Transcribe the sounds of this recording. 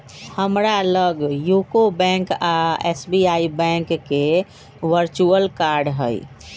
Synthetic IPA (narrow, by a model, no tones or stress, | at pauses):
həmɾaləɡjukobɛ̃ŋkaesbiaibɛ̃ŋkːe | ʋəɾt͡ʃuəlkaɾɖɦəj